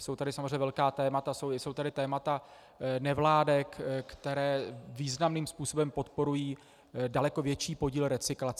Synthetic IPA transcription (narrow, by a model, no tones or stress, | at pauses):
so̞wt̪adɪsamozreɲɛvɛlkaːt̪ɛːmat̪asowɪso̞wt̪adɪt̪ɛːmat̪a | nɛvlaːdɛkkt̪ɛɾɛːviːznamniːmspuːso̞bɛmpo̞t̪po̞ɾujiː | dalɛko̞vjɛt͡ʃiːpo̞ɟiːlɾɛt͡sɪklat͡sɛ